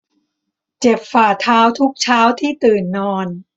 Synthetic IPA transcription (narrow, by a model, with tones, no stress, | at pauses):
t͡ɕe˨˩p̚faː˨˩t̪ʰaː˦˥wt̪ʰu˦˥k̚t͡ɕʰaː˦˥wt̪ʰiː˥˩t̪ɯː˨˩nːɔː˧n